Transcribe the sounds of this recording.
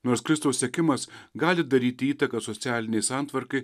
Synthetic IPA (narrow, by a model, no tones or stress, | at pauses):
noːɾskɾʲɪst̪ɐʊsʲsʲeɛkʲɪmɐsɡɑːlʲɪd̪ɐɾʲiːt̪ʲɪiːt̪ɐkɐsɔt̪sʲæːlʲɪnʲɛɪsɑːˑnt̪ʋɐɾkɐɪ